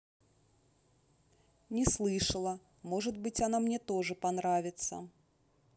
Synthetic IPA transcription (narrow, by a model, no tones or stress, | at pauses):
nʲɛslˠɨʂɐlˠɐ | mɔʐɐd̪bɨt͡sʲanamnʲɛt̪ɔʐɨpanɾavʲɪt̪sːɐ̰